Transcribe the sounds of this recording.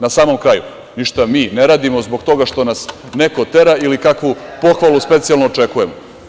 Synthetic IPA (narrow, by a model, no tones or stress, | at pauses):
nasaːmo̞mkɾaːju | niʃt̪amiːneɾaːd̪imo̞zboɡt̪o̞ɡaʃt̪o̞nas | ne̞ko̞t̪e̞ɾailikakʋupo̞xʋalˠuspe̞t̪sijalˠnoːt͡ʂe̞kuje̞mo